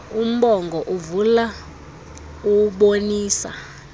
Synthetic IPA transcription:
um̩ɓɔŋɡʱɔʔuvula | uɓoniːsa̰

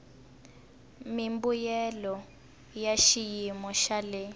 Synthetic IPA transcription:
mimbujɛlɔ | jaʃijimɔʃalɛ

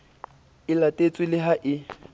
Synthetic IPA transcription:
ɪlatʼet͡sʼwɪlɪɦaʔɪ

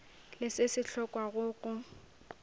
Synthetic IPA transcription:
lɪsɪsɪɬʰɔkʼwaɣʊːɣʼʊ

